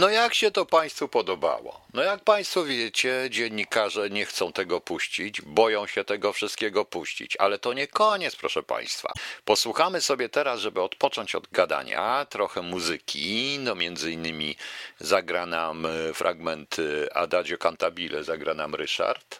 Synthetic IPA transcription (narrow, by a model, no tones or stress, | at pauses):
nɔjakɕɛt̪ɔpaj̃st̪fupɔd̪ɔba̰wɔ̰nɔjak̚paj̃st̪fɔvʲjɛt͡ɕɛd͡ʑɛɲːikaʐɛɲɛxt̪sɔ̃w̃t̪ɛɡɔpuɕt͡ɕid͡ʑbɔjɔ̃w̃ɕɛt̪ɛɡɔfʂɘst̪kʲɛɡɔpuɕt͡ɕḭt͡ɕa̰lɛt̪ɔɲɛkɔɲɛt̪spɾɔ̰ʂɛpa̰j̃st̪fa̰pɔswuxamɘsɔbʲjɛt̪ɛɾasʐɛbɘɔt̪pɔt͡ʂɔɲt͡ɕɔd̪ɡad̪a̰ɲa̰t̪ɾɔxɛmuzɘkʲʰinɔmʲjɛnd̪zɘinːɘmʲizaɡɾanamfɾʔa̰ɡmɛnt̪a̰d̪ad͡ʑjɔkant̪abʲilɛ̰zaɡɾanamɾɘ̰ʂa̰ɾt̪